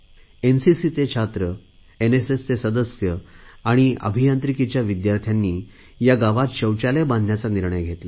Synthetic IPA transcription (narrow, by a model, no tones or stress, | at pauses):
ensisit͡set͡ɕʰat̪ɾə | enesest̪esəd̪əsjəaɽ̃iə̰bʱijant̪ɾikit͡ɕjaʋid̪jaɾt̪ʰjanːiː | jaɡaʋat̪ɕəwt͡ɕalebãnd̪ʱnjat͡saniɾɳəjɡʱet̪la